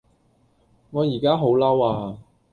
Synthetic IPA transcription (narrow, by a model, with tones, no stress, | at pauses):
ŋɔː˨˧jiː˨˩kaː˥ɦo˨˥wlɐ˥waː˧